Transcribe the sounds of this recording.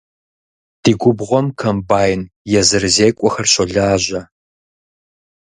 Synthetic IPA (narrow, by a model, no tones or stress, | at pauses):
d̥iːɡʷʊbʁʷɔmkʰɐmbaːjɪnjɛzɨrɨzeːkʷʼɔxɐrɕɐɮaːʑɐ